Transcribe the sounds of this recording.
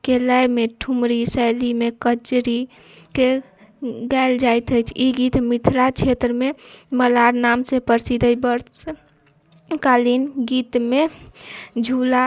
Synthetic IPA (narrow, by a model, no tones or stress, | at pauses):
kelajmeʈʰumɾisɛjlimekəd͡ʒɾi | ke | ɡaɪld͡ʒajt̪əjt͡ʃʰiɡit̪mit̪ʰɾat͡ʃʰet̪ɾəmeməlaɾnamsepəɾsid̪ʱəjbəɾs | kalinɡit̪me | d͡ʒʱula